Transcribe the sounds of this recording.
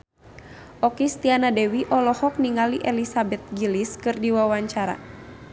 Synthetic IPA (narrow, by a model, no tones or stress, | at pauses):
ʔɔkist̪ianadɛwiʔɔlɔhɔk̚niŋaliʔɛlisabɛt̪̚ɡiliskɨrdiwawaɲt͡ʃaɾa̰